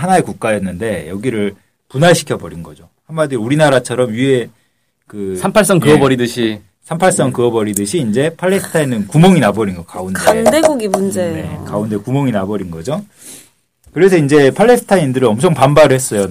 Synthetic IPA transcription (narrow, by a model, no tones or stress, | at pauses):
ɦanaekuk̚k͈ajʌnːɯnde̞jʌɡiɾɯɭ | punaɭɕʰi̥kʰʌbʌɾinɡʌ̰d͡ʑo | hamːadiɾuɾinaɾat͡ɕʰʌɾʌmjie̞ | kɯsʰampʰaɭs̬͈ʌŋkɯʌbʌɾidɯɕʰi | sʰampʰaɭs͈ʌŋkɯʌbʌɾidɯɕʰiːnd͡ʑe̞pʰaɭːe̞sʰɯ̥tʰainɯnkumoŋinabʌɾinɡʌka̰unandeɡuɡimund͡ʑee̞̰kaunde̞kumoŋinabʌɾinɡʌd͡ʑo | kɯɾe̞sʰʌind͡ʑe̞pʰaɭːe̞sʰɯ̥tʰaindɯɾɯʌmt͡ɕʰʌŋpambaɾɯɭhɦes͈ʌjo